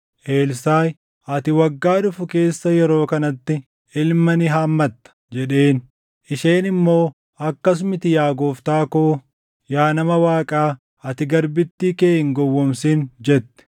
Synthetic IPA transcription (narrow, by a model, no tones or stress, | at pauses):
ʔe̞ːlsaːj | ʔɐt̪ɪwɐɡːaːᶑʊfʊke̞ːsːɐjɛɾo̞ːkɐnɐt̪ːɪ | ɪlmɐnɪɦaːmːɐt̪ːɐ̥d͡ʒɛᶑe̞ːn | ʔɪʃeːnɪmːo̞ː | ɐkːɐs̬mɪt̪ɪjaːɡoːft̪aːkoː | jaːnɐmɐwaːkʼaː | ɐt̪ɪɡɐɾbɪt̪ːiːkeːɪŋɡɔwːɔmsiːnd͡ʒɛt̪ːɪ̥